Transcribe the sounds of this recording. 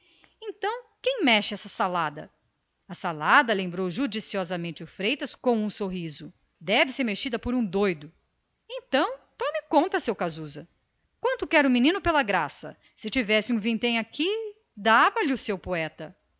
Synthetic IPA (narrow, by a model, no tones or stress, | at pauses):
ẽt̪ɐ̃w̃kẽj̃mɛʃɪɛsɐsalad̪ɐ̰ | ɐsalad̪ɐlẽmbɾowʒud͡ʒisiɔzɐmẽnt͡ʃɪʊfɾejt̪ɐskõw̃ũsoɦizʊ | d̪ɛvɪseɾmeʃid̪ɐpoɾũd̪ojd̪ʊ | ẽt̪ɐ̃w̃t̪ɔ̃mɪkõt̪ɐsewkazuzɐ | kwɐ̃nt̪ʊkɛɾʊ̃minĩnʊpelɐɡɾasɐ̰ | sɪt͡ʃivɛsɪũvĩnt̪ẽj̃aki | d̪avɐlɪʊsewpoɛt̪ɐ